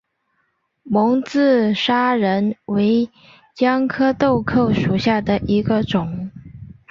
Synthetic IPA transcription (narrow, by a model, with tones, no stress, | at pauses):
mʊ˧˥ŋt͡sɹ̩˥˩ʂa˥ɻə˧˥nwe˧˥ɪ | t͡ɕjɑ˥ŋkʰɤ˥t̪o˥˧ʊkʰɤ˥˩ʊʂu˨˩ɕja˥˩d̪ə˩ʔi˧˥ɡə˧ʈ͡ʂʊ˨˩˦ŋ